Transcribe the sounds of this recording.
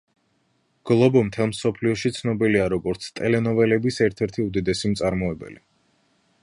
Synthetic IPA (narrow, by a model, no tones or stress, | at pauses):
ɡ̥lˠɔbɔmt̪ʰɛlˠmsɔpʰliɔʃit̪sʰnɔbiliaɾɔɡɔɾt̪sʰt̪ʼɛlɛnɔvɛlɛbisɛɾt̪ʰɛɾt̪ʰiud̪id̪ɛsimt̪sʼaɾmɔɛbɛ̰li